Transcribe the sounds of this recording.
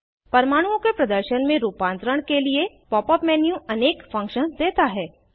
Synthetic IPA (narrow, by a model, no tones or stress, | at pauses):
pɐɾmaːɽ̃ũõkepɾɐd̪əɾʃənmẽɾuːpãːnt̪ɾəɽ̃kelie | pɔːpɔpmɛːnjũʔɐneːkfɐ̃ŋkʃənd̪eːt̪aɦɛː